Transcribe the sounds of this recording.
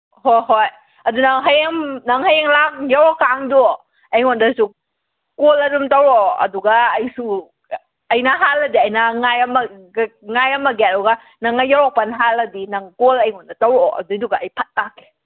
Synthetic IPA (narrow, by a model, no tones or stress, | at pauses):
hɔjɦɔj | adunaŋɦajeŋnaŋɦajeŋlaŋjawɔkaŋduɔ | ajŋɔndasu | koladumtawɾɔɐ̰duɡaːjsu | ajnaɦaladiajnaŋajama | ŋajamaɡɛtɔɡa | naŋajawɔpanɦaladinaŋkolɐjŋɔndatawɾɔ̰ʔa̰dujduɡaajpʰat̚ːakɛ̥